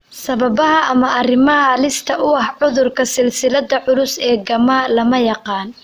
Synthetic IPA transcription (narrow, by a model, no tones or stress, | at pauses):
sɐβɐbɐɦɐʔɐmɐɐrɪmɐɦɐlɪst̪ʰɐʔʊɐhʕʊðʊrkʰɐsɪlsɪlɐd̪ɐʕʊlʊsɛːɡɐmaːlɐmɐjɑqɑːn